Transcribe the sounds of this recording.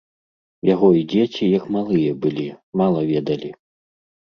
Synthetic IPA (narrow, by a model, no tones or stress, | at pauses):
jaɣɔid͡zʲet͡sʲijɐkmalˠɨjɐbɨlʲimalˠɐvʲɛd̪ɐlʲi